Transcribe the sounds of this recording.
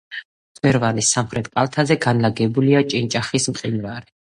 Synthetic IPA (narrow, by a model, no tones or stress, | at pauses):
zmɛɾvanisamχɾɛt̪ʰʼkʼalˠt̪ʰazɛɡanlaɡɛbuliat͡ʃʼint͡ʃʼaχismqʼinɾaɾi